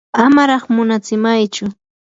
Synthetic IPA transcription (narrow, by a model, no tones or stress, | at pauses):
amaɾɑχmʊnat͡sɪmajt͡ʃʊ